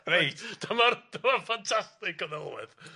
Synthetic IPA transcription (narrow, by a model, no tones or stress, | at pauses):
rejtd̥əmard̥əmafantʰastɪkəðɛlˠwɪ̰ð